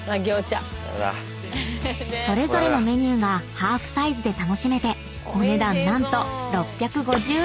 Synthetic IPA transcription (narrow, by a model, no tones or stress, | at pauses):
maɡʲo̞ːt͡ɕa̰ | sso̞ɾe̞zo̞ɾe̞no̞me̞ɲ̟ɨːɡahaːɸɯ̟̥saizɨd̪e̞t̪ano̞ɕime̞t̪e̞ | one̞d̪ãnːãnt̪o̞ɾo̞pʲːjakɯ̟ɡo̞ʑɨː